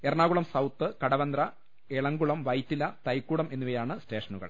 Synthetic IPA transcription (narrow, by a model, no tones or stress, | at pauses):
erɳaːɣuɭɐmsɐwt̪ːɨkɐɽɐʋɐnd̪rɐ | eɭɐŋɡuɭɐmʋɐjt̪ːilɐt̪ɐjkːuːɽɐme̞nːuʋɐjaːɳɨste̞ːʂɐnuɣɐ̰ɭ